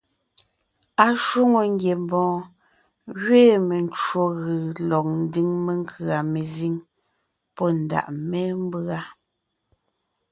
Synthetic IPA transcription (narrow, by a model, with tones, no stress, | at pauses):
a˨ʃwo˦ŋo˨ŋ˦ɡje˨mbɔ̃ː˨˦ | ɣɥeː˦˨me˨n˦t͡ʃwo˨ɣɯ˨lɔ˨k̚n̩˦di˦ŋme˨ŋ˦kʰɰa˨me˨zi˦ŋ | pɔ˦n̩˨da̰˨ʔmɛ˦m˦bɰa˦